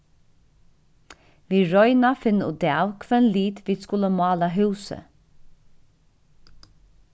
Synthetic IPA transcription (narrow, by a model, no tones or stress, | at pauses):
ʋiːɹɔʏnɑfɪno̰ːd̪æʊkʰʋɛnliːt̪ʋiːskʊləmɑːlɑɦʉːsə̰